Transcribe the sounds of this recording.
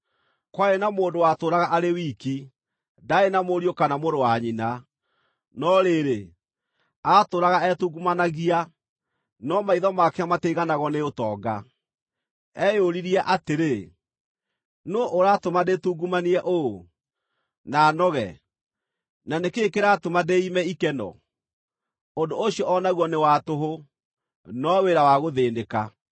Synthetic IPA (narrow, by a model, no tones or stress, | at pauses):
kwaenamoːndowatoɾaɣaʔaɾewiki | daenamoɾiokanamoɾowaɲina | nɔɾeɾe | atoɾaɣaɛtuɡumanaɣia | nɔmaiðɔmakɛamateɣanaɣɔneotɔɡa | ɛjoɾiɾiɛʔateɾe | noʔoɾatomadetuɡumaniɛʔoo | nanɔɣɛ̰ | nanekekeɾatomadeimɛikɛnɔ̰ | ondooɕijɔɔnaɣwɔnewatoɦo | nɔweɾawaɣoðeːndeka̰